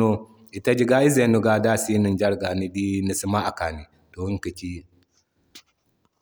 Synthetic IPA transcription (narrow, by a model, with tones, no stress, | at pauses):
o˦ | i˨ta˦d͡ʒi˦ɡa˦i˦ze˨nu˦˨ɡa˨da˦si˦ni˨nd͡ʒa˦ɾɡa˨ni˦di˦ni˨si˦ma˦ʔa˨ka˨ni˨ | to˨wi˦ŋki˨t͡ʃi˦